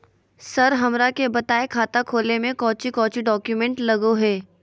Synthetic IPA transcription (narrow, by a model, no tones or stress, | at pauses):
sɐɾɦɐmɾakebɐt̪aːekʰaːt̪akʰoːlemẽkɔːt͡ʃikɔːt͡ʃiɖɔːkjumẽːɳʈlɐɡoɦɛː